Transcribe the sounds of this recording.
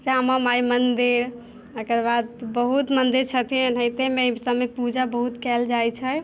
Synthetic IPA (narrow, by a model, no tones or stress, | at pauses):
samamajmənd̪iɾ | əkəɾbad̪bəɦut̪mənd̪iɾt͡ʃʰət̪inət̪emesəmepud͡ʒabəɦut̪kɛld͡ʒajt͡ʃʰɛ